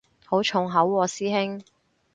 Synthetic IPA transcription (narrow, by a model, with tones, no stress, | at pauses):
ho˨˥wt͡ʃʰʊ˨˩ŋɦɐ˨˥wːɔː˨˧siː˥hɪ˥ŋ